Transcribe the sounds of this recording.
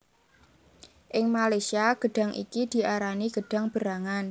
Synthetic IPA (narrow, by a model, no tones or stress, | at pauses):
ʔɪŋmalesiaɡ̥ə̤ɖ̥a̤ŋʔḭkid̪̥i̤ʔaɾaniɡ̥ə̤ɖ̥a̤ŋb̥əɾaŋan